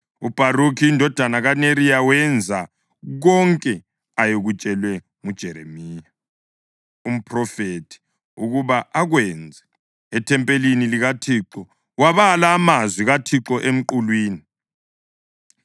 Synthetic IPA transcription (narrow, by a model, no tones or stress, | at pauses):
ub̥ʱarukʰiːndʱɔd̥ʱanaɣaneɾijawɛnd͡zʱa | ɣɔŋkʼɛ | ajeɣut͡ʃʼɛlwɛ | ŋud̥ʒ̥ʱɛɾḛmiːja | um̩pʰrɔfetʰi̥ | uɣuβaaɣwɛnd͡zʱɛː | tʰɛmpʼeliniliɣatʰiǁɔ | waβalaːmazwiɣatʰiǁɔʔem̩ǃulwiːni